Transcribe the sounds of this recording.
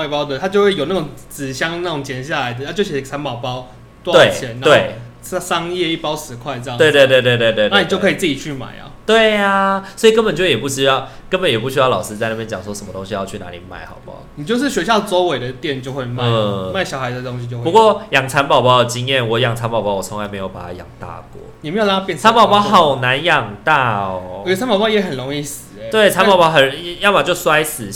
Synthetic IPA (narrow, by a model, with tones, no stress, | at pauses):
pɑ˥˦ʊt̪ə˧˨t̪ʰa˥t͡ɕjo˥˧ʊxwe˥˩ɪjo˨˩ʊna˥˩ʈ͡ʂʊ˨˩ŋt͡sɹ̩˨˩ɕjɑ˥ŋna˥˩ʊ˨˩ŋt͡ɕjɛ˨˧˥nɕja˥˩la˨˦ɪd̪ə˧a˥˧t͡ɕo˥˧ʊɕi˧˥˩t͡sʰa˧˦npɑ˨ʊpɑ˦ʊ | t̪w̪we˥˩ɪt͡ɕʰjɛ˧˦na˧we˥˩ɪ˨˥ | sɑ˥ŋjɛ˥˧i˥˩pɑ˥ʊʂɻ̩˧˥kʰwa˥˧ɪt͡sə˧j̪we˥˧we˥˧t̪wt̪we˥˧ɪt̪we˥˧t̪we˥˧na˥˨ni˨t͡ɕjo˥˩ʊkʰə˧˥i˨t͡sɨ˥˩t͡ɕi˨˩t͡ɕʰy˥˩ma̰˨˩˦ɪɐ̰˨˦t̪we˥˩ɪa˩swɔ˧˥i˨˩kə˥npə˨nt͡ɕjjɛ˨˩pu˥˩ɕy˥jɑ˥˩ʊ | kə˥nbə˨˦njɛ˨˩p̬u˥˩ɕy˥jɑ˥˩ʊlɑ̰˨˩ʊʂ̩˥t͡sa˥˧na˥pjɛ˥nt͡ɕjɑ˨˩ŋʂwɔ˥ʂə˧˦mə˧t̪o˧˥ŋɕi˧jɑ˥˧ʊt͡ɕʰy˥˩na̰˧˦lḭ˨˩ma̰˥˩ɪxɑ̰˨˩ʊpɑ̰˥˦ʊni˨t͡ɕjo˥˧ʊʂ̬ɻ̩˥˩ɕwɛ˧˥ɕjɑ˥˩ʊt͡sɔ˧˦ʊwe˨˩ɪdə˩t̪jɛ˥˨nt͡ɕjo˥˧xwe˥˧ɪma˥˩ma˥˩ɪɕɑ˨ʊxa˨˧ɪ˧˨˩o˧˦ŋɕi˧t͡ɕjo˥˧xpu˧˦kwɔ˥˨jɑ˨˩ŋt͡sʰa˧˥npɑ˨˩ʊpɑ˥ʊd̪ə˩t͡ɕi˦ŋjɛ˥˨˩nwɔ˨˩jɑ˨˩ŋt͡sʰa˧˥npɑ˨˩ʊpɑ˥wɔ˨˩t͡sʰɔ˧˦ŋla˧˥ɪme˧˥ɪjo˨˩ʊpa̰˨˩a˦˥jɑ̰˨˩ŋt̪a̰˥˧kwɔ̰˥˩˨m˧˥jo˨˩a˥˧pjɛ˥˨nʰa˧˦npɑ˨ʊpɑ˥ʊxɑ˨˩ʊna˧˦njɑ˨˩ŋt̪a˥˧ɔ˩˨˧ɛ˧˩t͡sʰa˧˦npɑ˨˩pɑ˥ʊjɛ˨˥ɦə˨nɻo˧˦ŋi˥˩sɹ̩˨˩˧we˥˩ɪt͡sʰa˧˦npɑ˨˩ʊpɑ˥xə˨˩n˨jɑ˥˩pa˨˩t͡ɕjo˥˩ʊswa˥ɪsɹ̩˨˩